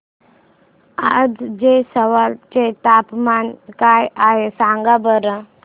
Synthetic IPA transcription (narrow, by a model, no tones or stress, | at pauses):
ad͡zd͡ʑesəʋalt͡ɕet̪apmankajaɦesaŋɡabəɾə